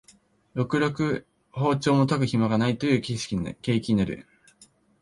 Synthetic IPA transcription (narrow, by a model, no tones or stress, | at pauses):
jo̞kɯ̟ɾo̞kɯ̟ | ho̞ːt͡ɕo̞ːmo̞t̪akɯ̟çimaɡanait̪o̞jɯ̟ːkʲiɕi̥kʲike̞ːkʲiɲinaɾɯ̰